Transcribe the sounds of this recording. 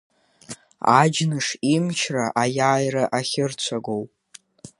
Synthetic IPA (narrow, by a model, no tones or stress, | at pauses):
a̰d͡ʒnɨʂimt͡ʃʰraʔajaːjɾaʔaχʲɪrt͡ɕʷʰaɡo̞wpʼ